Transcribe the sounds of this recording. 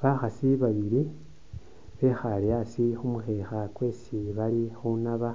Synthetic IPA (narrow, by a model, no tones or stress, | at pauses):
βaxasiβaβiɾi | βe̞ːxalejasixumuxexakwe̞ːsiβalixunaβa